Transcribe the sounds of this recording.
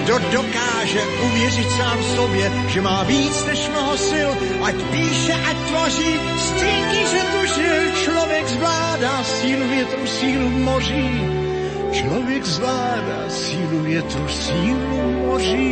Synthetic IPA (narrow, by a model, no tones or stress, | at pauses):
dodokaːʒɛʔuvjɛrɪt̪saːmfsobjɛ | ʒɛmaːviːt͡snɛʃmnoɦosɪl | ʔacpiːʃɛʔac̚t̪voriː | st̪ɛɲiʒɛt̪uʒɪlt͡ʃlovjɛɡzvlaːdaːsiːluvjɛt̪uwsiːlumoriː | t͡ʃlovjɛɡzvlaːdaːsiːluvjɛt̪uwsiːlumoriː